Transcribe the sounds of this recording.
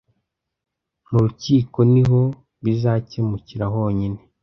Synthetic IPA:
nuɾuciːko̞niɦo̞ | βizaːcemuciɾaɦo̞ːɲine

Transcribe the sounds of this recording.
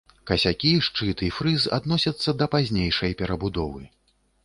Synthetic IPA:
kɐsʲakʲiʂt͡ʂɨt̪ɨfɾɨza̰d̪nɔsʲɐt̪sːɐd̪ɐpazʲnʲejʂɐjpʲɛɾɐbud̪ɔvɨ

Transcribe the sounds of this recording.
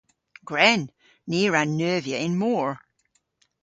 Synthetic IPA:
ɡ̥ɹɛnː | iɹãnːøːvjəʔɪ̃nmɔɹ

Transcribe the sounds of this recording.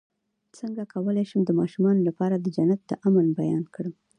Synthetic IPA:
t͡səŋɡakʰawəlajʃəmd̪əmɑʃumɑnolapɑɾad̪əd͡ʒanat̪̚d̪əʔamənbajɑnkɽəm

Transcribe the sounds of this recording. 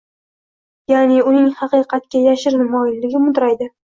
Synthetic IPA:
janɪʊnɪŋhɑqɨqɑt̪̚kʲajaʃɪɾnmɒjɪnlɪɡʲɪmʊd̪ɾajd̪ɪ

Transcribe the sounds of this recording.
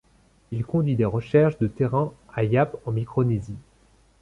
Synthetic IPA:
ilkɔ̃d̪ɥid̪eʁəʃɛʁʃd̪ət̪eʁɛ̃ajapɑ̃mikχɔnezi

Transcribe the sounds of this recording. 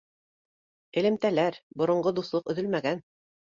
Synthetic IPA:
ɘ̆lɘ̆mt̪ælæɾbŏɾŏɴɢod̪uθlˠoqɵ̆ðɵlmæɡæn

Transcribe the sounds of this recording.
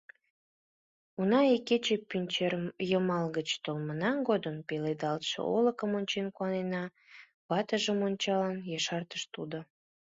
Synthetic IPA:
unɑiket͡ɕepynʲt͡ɕejəmɑlɣət͡ɕt̪olmənɑɡod̪əmpeled̪ɑlt̪ʃə̰oləkəmonʲt͡ɕenkuɑnenɑ | βɑt̪əʒəmonʲt͡ɕɑlənjɑʃɑrt̪ə̥ʃt̪ud̪o

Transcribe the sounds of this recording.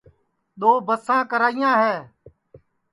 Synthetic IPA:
ɗ̪oːbəsãːkəɾaːijãːɦɛː

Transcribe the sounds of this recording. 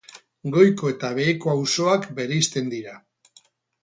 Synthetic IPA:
ɡo̞jko̞e̞t̪aβ̞e̞ːko̞awso̞akbe̞ɾeist̪e̞nd̪iɾa

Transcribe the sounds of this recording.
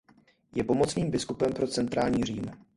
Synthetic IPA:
jɛpo̞mot͡sniːmbɪskupɛmpɾo̞t͡sɛnt̪ɾaːlɲiːr̝iːm

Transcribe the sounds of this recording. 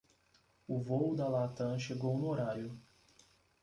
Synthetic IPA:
ʊvoʊd̪ɐlat̪ɐ̃ʃeɡownʊoɾaɾjʊ

